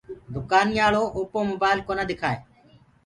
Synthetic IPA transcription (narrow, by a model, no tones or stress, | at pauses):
d̪ʊkaːnijaːɭoːʔoːpoːmʊbaːɪlkoːnaːd̪ɪkʰaːeː